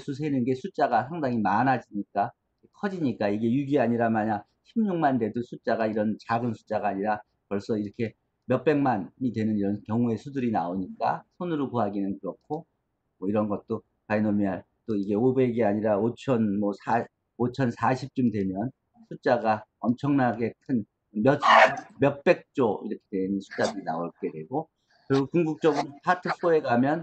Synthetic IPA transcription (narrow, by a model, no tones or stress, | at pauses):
sʰusʰenɯnɡe̞sʰut͡ɕ͈aɡas̬ʰaŋdaŋimanɦad͡ʑiɲik͈a | kʰʌd͡ʑiɲik͈aiɡe̞juɡiaɲiɾamaɲa | ɕʰimɲuŋmande̞dosʰut͡ɕ͈aɡaiɾʌnt͡ɕaɡɯnsʰu̥t͡ɕ͈aɡaːɲiɾa | pʌɭs͈ʌiɾʌkʰe̞ | mjʌk̚p͈eŋmanɲidwe̞nɯniɾʌnkjʌŋue̞sʰudɯɾinaoɲik͈a̰sʰonɯɾokoɦaɡinɯnkɯɾʌkʰo | mʌiɾʌnɡʌt̚t͈o | painomiaɭ | t͈oiɡe̞obe̞ɡeaɲiɾaot͡ɕʰʌnmʌsʰa | ot͡ɕʰʌnsʰaɕʰip̚t͡ɕ͈umdwe̞mjʌn | sʰut͡ɕ͈aɡaʌmt͡ɕʰʌŋnaɡe̞kʰɯn | mjʌmjʌk̚p͈e̞k̚t͡ɕ͈oḭɾʌkʰe̞dwe̞nɯnsʰu̥t͡ɕ͈adɯɾinaoɭk͈e̞dwe̞ɡo | kɯɾiɡokuŋɡuk̚t͡ɕ͈ʌɡɯɾoopʰatʰɯsʰoe̞kamjʌn